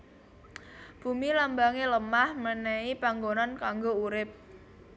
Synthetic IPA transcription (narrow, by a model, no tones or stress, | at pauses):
b̥ṳmilambaŋeləmahmənɛipaŋɡonankaŋɡouɾɪp̚